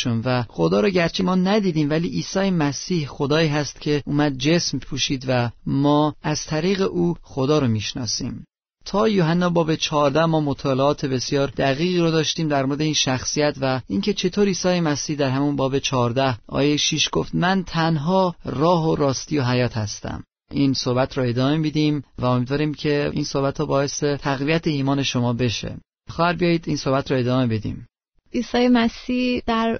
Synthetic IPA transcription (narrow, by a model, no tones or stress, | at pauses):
ʃunvæxo̞d̪ɒːɾɔɟæɾt͡ʃʰemɒːnæd̪iːd̪iːmvæliːʔiːsɒːjemæsiːhxo̞d̪ɒːiːɦæst̪cʰe̞uːmæd̪̚d͡ʒe̞smpʰuːʃiːd̪væmɒːæz̥t̪ʰæɾiːɣe̞ʔuːxod̪ɒːɾomiːʃnɒ̰ːsḭːm | t̪ʰɒːjoɦænːɒːbɒːbe̞t͡ʃʰɒːɾd̪æhmɒːmot̪ʰɒːleɒːt̪ʰe̞be̞sjɒːɾd̪æɣiːɣiːɾod̪ɒːʃt̪iːmd̪æɾmoɾed̪eiːnʃæxsijæt̪væiŋcʰe̞t͡ʃʰe̞t̪ʰoɾiːsɒːjemæsiːhd̪æɾɦæmunbɒːbe̞t͡ʃʰɒːɾd̪æhʔɒ̰ːjejʃiːʃɡ̥o̞ft̪mænt̪ʰænɦɒːrɒːɦoɾɒːst̪iːjo̞ɦæjɒːt̪ʰhæst̪æ̰m | ʔinsohbæt̪ʰɾɔe̞d̪ɒːmemid̪iːmvæomiːd̪vɒːɾiːmcʰe̞ḭnso̞hbæt̪ʰɾɔːbɒːje̞set̪ʰæɣvijæt̪ʰeiːmɒːne̞ʃo̞mɒːbe̞ʃḛ | xɒːhæɾbijɒjiːd̪iːnso̞hbæt̪ɾɔe̞d̪ɒːme̞be̞d̪ḭːm | iːsɒːjemæsiːd̪̥æɾ